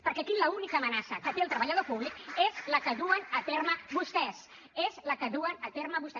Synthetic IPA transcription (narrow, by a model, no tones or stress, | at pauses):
pəɾkɛkiləunikəːmənasəkət̪eːlˠt̪ɾəβəʎəð̞opuβlikezləkəðuənət̪eɾməβust̪ɛs | ezləkəðuənət̪eɾməβust̪ɛ